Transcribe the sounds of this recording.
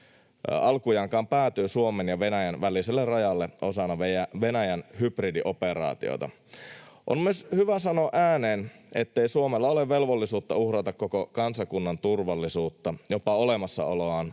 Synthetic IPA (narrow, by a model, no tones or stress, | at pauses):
ɑlkujɑŋkɑːmpæːt̪yːsuomenjɑʋenæjænʋæliselːerrɑjɑlːeʔosɑnːɑʋejæʋenæjænhypridiʔo̞peɾɑ̰ːt̪io̰t̪ɑ̰ | ʔo̰nmyøshyʋæsɑnoːʔæːneːnḛt̪ːeisuomelːɑoleʋʋe̞lʋolːisuːt̪ːɑuhrɑt̪ɑkkokokɑnsɑkunːɑnt̪urʋɑlːisuːt̪ːɑjopɑolemɑsːɑ̰o̰loɑːn